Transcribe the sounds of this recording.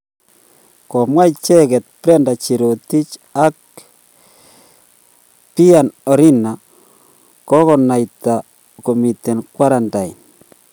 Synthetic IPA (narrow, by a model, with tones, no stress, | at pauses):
kɔ˨mwa˦i˨t͡ʃɛ˦ɣɛ˨t̪̚pɾɛ˦nda˨t͡ʃi˨ɾo˨ti˦t͡ʃa˦k̚ | pi˦a˨nɔ˨ɾi˦na˨ | kɔ˦ɣɔ˨na˨ita˨ | ko˨mi˨t̪ɛ˨nkwa˦ɾa˨nda˨i˨n